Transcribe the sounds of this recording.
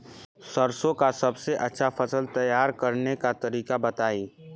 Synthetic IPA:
sɐɾsõkasɐbseʔɐtːʃʰafɐsəlt̪ɐjaːɾkɐɾnekat̪ɐɾiːkabɐt̪aːiː

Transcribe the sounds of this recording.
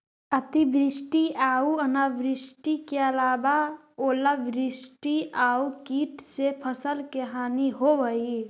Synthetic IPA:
ət̪ibɾisʈiaːuənabɾisʈikeəlaːba | oːlabɾisʈiaukiːʈsepʰəsəlkeɦaːniɦoʋəi

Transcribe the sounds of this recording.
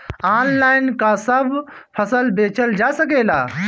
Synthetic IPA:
aːnlaːɪnkasəb | pʰəsəlbeːt͡ʃəld͡ʒasəkeːla̰ː

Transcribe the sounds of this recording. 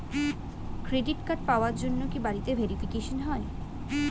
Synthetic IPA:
kɾeɖiʈkaʈ̚paoaɾd͡ʑonːokibaɾit̪ebʱeɾifikeʃonɦɔe

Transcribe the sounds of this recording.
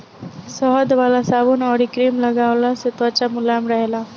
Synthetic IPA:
sɔɦɔd̪ʋalasaʋunɔɽikɾimləɡaʋlasɪt̪ʋat͡ɕamulamɾəɦela

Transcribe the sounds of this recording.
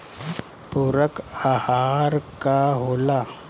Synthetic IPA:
puɾəkahaɾkaɦola

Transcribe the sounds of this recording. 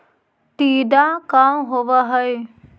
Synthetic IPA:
t̪iːɖ̪akamɦoʋaɦəj

